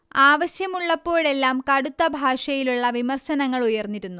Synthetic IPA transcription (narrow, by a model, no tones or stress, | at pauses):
aːʋɐɕjɐmuɭːɐpːo̞ːɽe̞lːaːmkɐɽut̪ːɐbʱaːʂɐjiluɭːɐʋimɐrɕɐnɐŋːɐɭujɐrnːiɾunːu